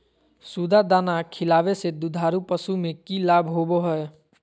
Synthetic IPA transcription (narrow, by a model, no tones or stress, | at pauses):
suːd̪ad̪aːnakʰɪlaːʋesed̪ʊd̪ʱaːɾupəsumẽkilaːbɦoboɦɛɛ